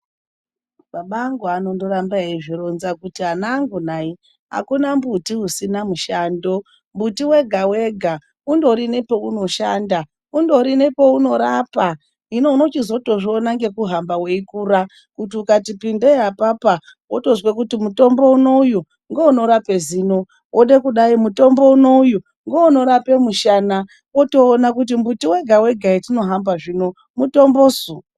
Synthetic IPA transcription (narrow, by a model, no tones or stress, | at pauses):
maɓaŋɡoano̞ndo̞ɾambaeiʐiro̞nzakutiɦanaːŋɡunai | ɦa̰kunambutiusinamuʃaːndo̞ | mbutiwe̞ɡʱawe̞ɡʱa | undo̞ɾinepo̞uno̞ʃaːnda | undo̞ɾine̞po̞uno̞ɾapa | ino̞no̞t͡ʃizo̞to̞ʐionaŋɡe̞kuɦambaweikuːɾa | kutiukatipindejapapa | woto̞zwekutimuto̞mbo̞uno̞uju | ŋɡouno̞ɾape̞ziːno̞ | wʔoɗekuɗaimuto̞mbo̞uno̞uju | ŋɡouno̞ɾape̞muʃana | oto̞ːnakut̬imbutiwe̞ɡʱawe̞ɡʱaitino̞ɦambaʐiːno̞ | muto̞mbo̞zu